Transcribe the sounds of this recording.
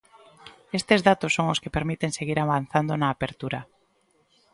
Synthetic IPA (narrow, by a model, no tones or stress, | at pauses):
est̪ezðat̪osːoŋoskepeɾmit̪eŋseɣiɾaβan̟θand̪onaːpeɾt̪uɾa